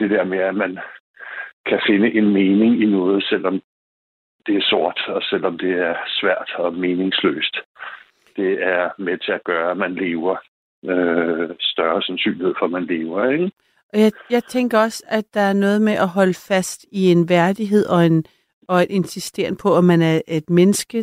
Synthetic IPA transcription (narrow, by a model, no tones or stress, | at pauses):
d̥e̝d̥eɐ̰meæmæn | kʰæfe̝nəʔe̝nmeːne̝ŋinɔ̽ːð̞̩ˠsel̰ɒ̽m | d̥e̝æɐso̝ɐ̰d̥ɒ̽sel̰ɒ̽md̥e̝æɐsʋæɐ̰d̥ɒ̽me̝ːne̝ŋslø̰ːsd̥ | d̥e̝æɐmet͡sʰe̝æɡ̥ɶːɐæmænle̝ːʊɐ | øsd̥ɶɐsænsy̰ːnlihe̝ð̞̰ˠfɒ̽mænle̝ːʊɐeɡ | ɒ̽jɑ̈ɪjɑ̈ɪt͡sʰeŋɡ̥ɐɒ̽sæd̥ɑ̈æɐnɔ̽ːð̞̩ˠmeʔæɦɒ̽ləfæsd̥ie̝nʋæɐd̥iɦe̝ð̞̰ˠɒ̽en | ɒ̽e̝d̥e̝nsisd̥e̝ɐ̰npʰɒ̽æmænæɐe̝d̥menəsɡ̥ə